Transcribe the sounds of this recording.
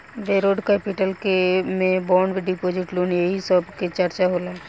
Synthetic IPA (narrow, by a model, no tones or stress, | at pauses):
ʋeːɾoːɖkeːpɪʈəlkemẽbɔːɳɖʋɪɖipoːd͡ʒɪʈloːnjeɦisəbket͡ʃəɾt͡ʃaɦolaɛ